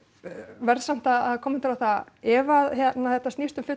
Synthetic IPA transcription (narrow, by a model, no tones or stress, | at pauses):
vɛɾðsam̥t̪aðaðkʰɔːmːɛnt̪ɪɾawθa | ɛvaðçjɛt̪naθɛht̪ːast̪ist̪ʏmfʏ